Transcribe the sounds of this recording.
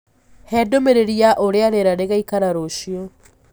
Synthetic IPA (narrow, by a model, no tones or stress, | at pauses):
hɛːdomeɾeɾjaʔoɾeaɾeɾaɾeɣaikaɾaɾoʃjo